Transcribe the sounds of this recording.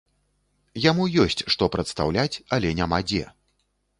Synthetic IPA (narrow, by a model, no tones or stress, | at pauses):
jamujɔsʲt͡sʲʂt̪ɔpɾɐt̪st̪a̰wlʲat͡sʲɐlʲɛnʲamad͡zʲɛ̰